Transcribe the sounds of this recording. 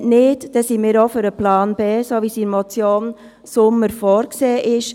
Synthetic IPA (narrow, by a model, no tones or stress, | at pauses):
nɪːtd̥ɛsimɪːɾoføɾəplaːnbeːsoʋisiɾmɔt͡sjoːn | sʊməɾfɔːɾkseːʔɪʃ